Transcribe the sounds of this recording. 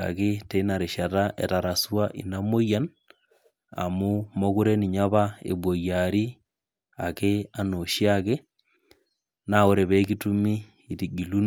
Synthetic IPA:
a̰˨ke˦te˦na˨ɾe˨ʃa˨ta˦ʔɛ̰˨ta˨ɾa˨swa˦ʔḭ˨na˦mo˦ja˦n | a̰˨mu˦mo˦ku˦ɾe˦ni˨ɲa˦βa˦ḛ˨bwo˨ja˨ɾi˦ | a˨kea˨no˨ʃi˦ake˦ | nao˦ɾe˨βɛ˦ki˦tu˦miː˦˨ | ti˨ɡi˨lu˦n

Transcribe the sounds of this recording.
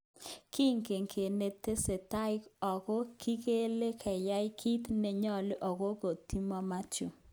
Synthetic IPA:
ki˦ŋke˨ŋkʰe˨ne˨t̪e˦se˨ta˦ɪ˦kɔ˨kɔ˦kʰi˦ke˦le˦kʰɛ˨ja˦ɪ˦kʰi˦t̪ne˨ɲɔ˦lɪ˦ʔɔ˨ko˦ko˨ti˦mɔ˦ma˦t͡ʃʊ̰˨

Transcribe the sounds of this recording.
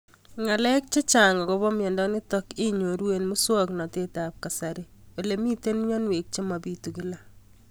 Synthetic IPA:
ŋa˨lɛ˦k̚t͡ʃe˦t͡ʃa˨ŋɔ˨ko˦βɔ˦mjɛ˨ndɔ˦nɪ˦tɔ˦kɪ˦ɲo˨ɾwe˨nmu˦swɔ˦knɔ˨te˦ta˨p̚ka˨sa˨ɾe | o˨le˨mi˦te˦n˦ɲɔ˦nwe˨k̚t͡ʃe˦ma˨bi˦tu˨ki˦la˦

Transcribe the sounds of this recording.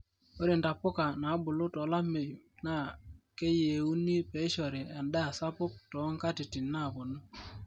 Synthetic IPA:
o˦ɾɪ˨nda˨pʊ˦ka˨na˨˦bʊ˨lʊ˦tɔ˨˦la˦me˨ju˨na˦˨ke˦je˨u˦ni˦pe˨˦ʃɔ˨ɾɪ˨a˨nda˦˨sa˦pʊ˦k̚tɔ˨˦ŋka˦tɪ˨tɪ˨nːa˦˨kɔ˨nʊ˦

